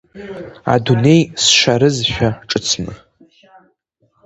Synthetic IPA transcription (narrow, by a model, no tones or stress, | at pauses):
a̰dune̞jsʃʷaɾɨzʃʷᶣaʈ͡ʂʼɨt͡sʰnɨ̰